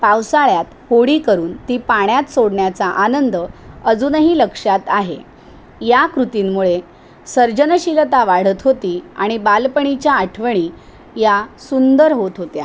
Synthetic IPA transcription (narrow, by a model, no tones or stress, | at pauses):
pawsaɭjat̪hoɽiːkəɾuːnt̪iːpaɳjat̪soɽɳjat͡saʔanənd̪əəd͡zuːnɦiːləkʂat̪aɦḛ | jakɾut̪iːmmuɭe | səɾd͡ʑənəɕiɾət̪aʋaɽ̤ət̪ɦot̪iːa̰ɽ̃ibalpəɳ̃it͡ɕjaːʈʰʋəɳ̃iː | jasund̪əɾɦot̪ɦot̪ja̰